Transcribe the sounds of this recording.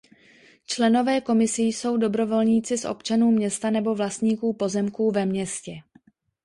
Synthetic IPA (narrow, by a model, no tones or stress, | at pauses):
t͡ʃlɛno̞vɛːko̞mɪsɪjso̞wdo̞bɾo̞vo̞lɲiːt͡sɪsʔo̰pt͡ʃanuːmɲɛst̪anɛbo̞vlast̪ɲiːkuːpo̞zɛmkuːvɛmɲɛscɛ